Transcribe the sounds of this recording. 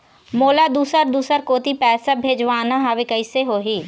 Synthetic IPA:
moːlad̪uːsəɾd̪uːsəɾkoːt̪ipɛːsabʱeːd͡ʒʋaːnaɦaʋekəɪseɦoːɦiː

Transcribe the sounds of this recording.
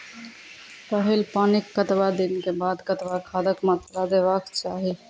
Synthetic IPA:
pəɦilpaːnikːət̪bad̪inkebad̪kət̪bakʰad̪əkmət̪ɾad̪eβakt͡ʃaɦi

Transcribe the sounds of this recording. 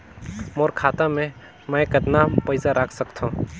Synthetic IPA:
moːɾkʰaːt̪amẽ | məjkəd̪napəɪsaɾʔakʰsəkt̪ʰõ

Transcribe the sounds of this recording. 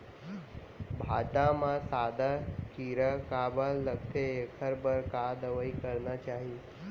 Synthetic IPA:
bʱaʈamãsaːd̪akiɾəkabalːəkt̪ʰeekʰəɾbəɾkad̪əʋəikəɾnat͡ʃaɦi

